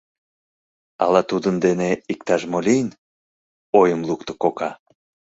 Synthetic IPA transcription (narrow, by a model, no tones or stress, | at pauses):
ɑ̰lɑt̪ud̪ənd̪eneikt̪ɑʃmolʲijn | ojəmluk̚t̪ŏ̥kokɑ